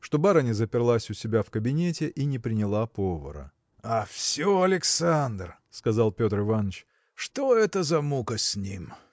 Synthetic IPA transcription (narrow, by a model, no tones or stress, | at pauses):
ʂt̪o̞baɾənʲɪzəpʲɪrlˠasʲʊsʲɪbʲafkəbʲɪnʲetʲɪʔinʲɪpɾʲɪnʲɪlˠapovə̰ɾə̰ | afsʲoɐlʲɪksand̪rskɐzɑlˠpʲo̞t̪rɪvanːət͡ɕ | ʂt̪o̞ɛt̪əzɐmukəsʲnʲim